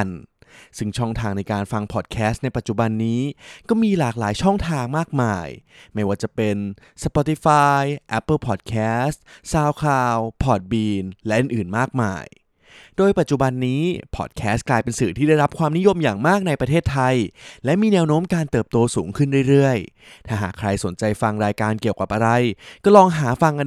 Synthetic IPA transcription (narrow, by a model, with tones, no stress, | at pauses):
nsɯ˥˩ŋt͡ɕʰɔ˥˩ŋt̪ʰaː˧ŋna˧jkaː˧nfa˧ŋpʰɔ˨˩t̪̚kʰɛː˦˥st̪̚na˧jpa˨˩t̪̚t͡ɕu˨˩ba˧nːiː˦˥kɔː˥˩miː˧laː˨˩k̚laː˩˦jt͡ɕʰɔ˥˩ŋt̪ʰaː˧ŋmaː˥˩k̚maː˧jma˥˩jwaː˥˩t͡ɕa˨˩pe˧n | sa˧pɔ˧t̪i˧faː˧jʔɛ˦˥pːɤ˥˩pʰɔː˨˩t̪̚kʰɛː˦˥st̪saː˧wkʰlaː˧wpʰɔː˨˩t̪̚biː˧nlɛ˦˥ʔɯ˨˧nʔɯː˨˩nmaː˥˩k̚ma̰ː˧j | doː˧jpa˨˩t̪̚t͡ɕu˨˩ba˧nːiː˦˥pʰɔ̰ː˨˩t̪̚kʰɛː˦˥st̪̚klaː˧jpe˧nsɯː˨˩t̪ʰiː˥˩a˥˩jɾa˦˥p̚kʰwaː˧mni˦˥jo˧mjaː˨˩ŋmaː˥˩k̚na˧jpɾa˧t̪ʰeː˥˩t̪ʰːa˧jlɛ˦˥miː˧nɛː˧˥wnoː˦˥mkaː˧nt̪ɤː˨˩p̚t̪oː˧suː˩˦ŋkʰɯ˥˩nɾu˥˩əjɾɯ˥˩əj | t̪ʰaː˥˩ɦa̰ː˨˩kʰɾa˧jso˩˦nt͡ɕa˧jfa˧ŋɾaː˧jkaː˧nki˨˩əwka̰˨˩p̚ʔa˧ɾa˧jkɔː˥˩lɔː˧ŋɦaː˩˦fa˧ŋʔa˧